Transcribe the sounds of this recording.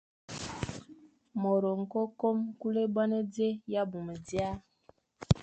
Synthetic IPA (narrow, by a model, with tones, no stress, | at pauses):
mɔ˨ɾo˨ŋ̩˨kɔ˦ko˦mku˦le˦ba˦ne˦d͡ze˦ja˦bu˨mə˨di˦a˦